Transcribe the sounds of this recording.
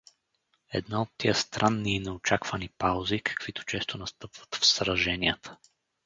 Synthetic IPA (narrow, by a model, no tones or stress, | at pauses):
ɛ̰d̪naot̪ːiəst̪ɾʔanːiːnɛot͡ʃakvənipawzikɐ̥kv̥it̪o̥t͡ʃɛst̪onɐst̪ɤpvə̥t̪fsɾɐʒɛniət̪ə̥